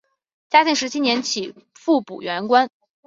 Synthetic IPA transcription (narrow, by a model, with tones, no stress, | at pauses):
t͡ɕja˥tʰi˥˩ŋʂɻ̩˧˥t͡ɕʰi˥njɛ˧˥nt͡ɕʰi˨˩˦ | fu˥˩pṵ˨˩ɥɛ˧˥nkwa˥n